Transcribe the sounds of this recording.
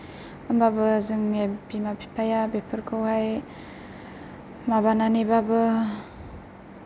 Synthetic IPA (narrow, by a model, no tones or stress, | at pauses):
ɯmbabɯzɯŋabimapʰi̥pʰajabepʰɯɾkʰɯwhaj | mabananibabɯ